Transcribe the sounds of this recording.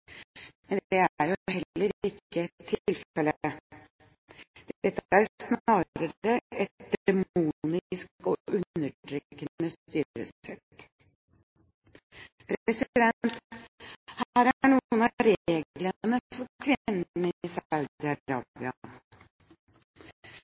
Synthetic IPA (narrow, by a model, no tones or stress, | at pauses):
mɛnd̪ɛæɾjʊɦɛlːəɾɪkːəɛt̪ʰːlfɛlə | d̪̥ɛt̪ːəæɾsnɑːɾəɾəɛt̪̚d̪ɛmuːnɪskɔʔʉnːəʈʰɾykənəst̪yːɾə̰sɛt̪ː | pʰɾɛsɪd̪ɛnt̪ | hæːɾæɳuənɑɾeːɡlənəfɔɾkʰʋɪnːnəɪsɑʉd̪ɪɑɾɑ̰ːbɪɑ